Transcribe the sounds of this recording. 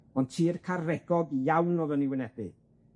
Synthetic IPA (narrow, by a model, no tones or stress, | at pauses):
ɔntʰiːrkʰaɾɛɡ̥ɔɡjawnɔðəniwɪnɛdɨ